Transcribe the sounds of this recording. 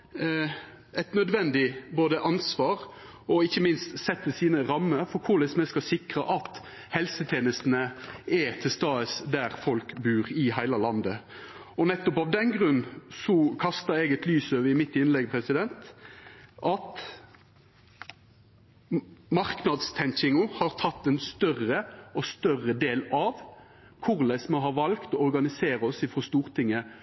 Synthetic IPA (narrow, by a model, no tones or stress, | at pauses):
ɛt̪nœd̪ʋɛnd̪ɪboːd̪əʔɑnsʋɑːʁ | ɔɪçːəmɪnst̪sɛt̪ːəsiːnəɾɑmːəɾfɔɾkʰʊlɛsmɛskɑsɪkʁɑʔɑt̪ | hɛlsət̪ʰjeːnəst̪n̩əɛt̪ʰɪlst̪ɑːəsd̪æːʁfɔlkbʉːʁɪhæɪlɑlɑnd̪ə | ɔnɛt̪ːɔpɑʋd̪ɛnɡʁʉnːsɔkʰɑst̪əɾɛɡɛt̪lyːsøːʋəɪmɪt̪ːɪnlɛɡpʰɾɛsɪd̪ɛnt̪ | ʔɑt̪ | mɑʁknɑd̪st̪ʰɛŋt͡ʃɪŋʊhɑɾt̪ʰɑt̪ːɛnst̪œrəɔst̪œrəd̪eːlɑʋ | kʰʊʁlæɪsməɦɑɾʋɑlkt̪ɔɔʁɡɑnɪseːɾɔsɪfɔst̪uːʁt̪ʰɪŋːə